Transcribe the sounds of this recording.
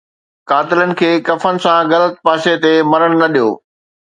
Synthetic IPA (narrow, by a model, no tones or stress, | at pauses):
kaːt̪ɪlənɪ̆kʰeːkɐfənɪ̆sãɣɐlət̪̚paːʃet̪emɐɾəɽ̃nɐɗijo̰ː